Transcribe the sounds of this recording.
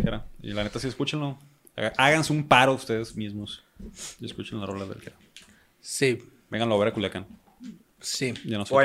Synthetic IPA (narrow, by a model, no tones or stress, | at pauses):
keɾaḭlanet̪asieskut͡ʃenlo | a̰ɣaʔaɣanseumpaɾoust̪e̞ðezmizmos | ieskut͡ʃenlarolaðḛlkeɾa | si | beŋɡanlaoβeɾakuljakan | siɟ͡ʝanos